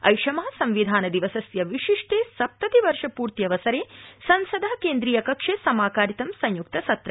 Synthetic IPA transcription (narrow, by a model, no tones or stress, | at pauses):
ɐ̰jʂɐmɐɦɐsɐ̃mʋid̪ʱaːnɐd̪iʋɐsɐsjɐʋiʂiʂʈeːsɐp̚t̪ɐt̪iʋɐɾʂɐpuːɾt̪jɐʋɐsɐɾeːsɐnsɐd̪ʱɐɦɐkeːnd̪ɾiːjɐkɐkʂeːsɐmaːkaːɾit̪ɐmsɐ̃ɲjuk̚t̪ɐsɐt̪ɾɐ